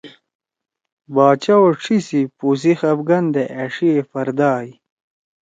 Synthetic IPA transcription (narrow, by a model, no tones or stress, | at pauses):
baːt͡ɕɐwoʈ͡ʂʰisipus̬ixɐbɡɐnd̪eʔɐʂiefɐɾd̪aːj